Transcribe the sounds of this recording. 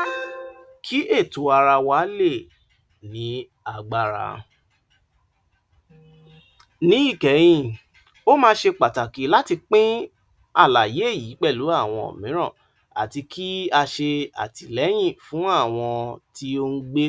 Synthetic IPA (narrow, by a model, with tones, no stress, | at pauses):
kʰi˦ʔe˦˨to˨a˧ɾa˧wa˨˦le˦˨ | nĩ˨˦ | a˧ɡ͡ba˦˨ɾa̰˧ | nĩ˨˦i˦˨kɛ˨˦j̃ĩ˦˧˨ | o˦mãː˧˦ʃe˧k͡pa˨ta˨ki˨˦la˦ti˧k͡pĩ˦ | a˦˨la˨je˨˦e˦˨ji˨˦k͡pɛ˦˨lu˨˦a˦˨w̃ɔ̃˧o̰˨mĩ˨˦ɾ̃ãɔ̃˦˨ | a̰˨ti˧kʰi˦a˧ʃe˧a̰˨ti˨lɛ˨˦j̃ĩ˦˨fũ˨˦a˦˨w̃ɔ̃˧ti˦o˧n̩˦ɡ͡be˦